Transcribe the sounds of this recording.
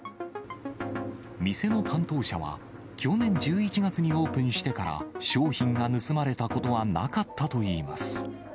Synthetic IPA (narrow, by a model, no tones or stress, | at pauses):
mʲise̞no̞t̪ʰãnt̪o̞ːɕa̰βa̰ | kʲo̞nẽ̞ɲ̟d͡ʑɨːit͡ɕiɡat͡sɨɲ̟io̞ːpɯ̟̃ɰ̟ɕi̥t̪e̞kaɾa̰ɕo̞ːçĩŋɡanɯ̟sɨmaɾe̞t̪ako̞t̪o̞βana̰kat̪ːat̪o̞iːmasɨ̥